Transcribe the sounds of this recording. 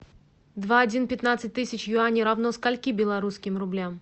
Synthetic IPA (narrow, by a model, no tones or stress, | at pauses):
d̪vaːdʲinpʲɪt̪nat̪sɨtʲt̪ɨsʲɪt͡ɕjʊanʲiɾavnoskalʲkʲibʲɪlˠɐɾuskʲɪmɾʊblʲam